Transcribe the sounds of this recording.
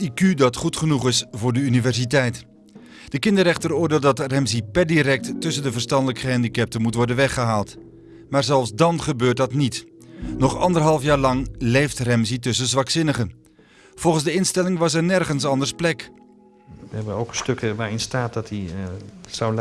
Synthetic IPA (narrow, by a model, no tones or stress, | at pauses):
ikydɑtχutχənuχɪsvʊːɹdəynivɛɹsitɛjt | d̥əkɪndərɛχtəɾʊːɹdeːlˠdɑtrɛmsipɛɹdiɾɛk̚ttːɵsəndəvəɹstɑndələkχəɛndikɛp̚təmutʋɔɹdənʋɛχəɦaːlˠt | maːɹzɛlˠfsdɑnχəbøːɹt̚dɑtnit | nɔχɑ̰ndərɦɑlˠfjaːɹlɑŋlejftrɛmzitɵsəzʋɑksɪnəχən | v̥ɔlˠχənzdəɪnstɛlɪŋʋɑsɛɹnɛrχənsɑndəɹsplɛk | ʋəɛbənowkəstøkəʋaːɹɪnstaːt̚dɑti | saw